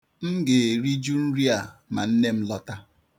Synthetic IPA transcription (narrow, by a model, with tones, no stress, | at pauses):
m̩˦ɡe˨ɾi˦d͡ʒu˦n̩˦ɾi˦a˨ma̰˨n̩˦ne˦m̩˦lɔ˦ta˦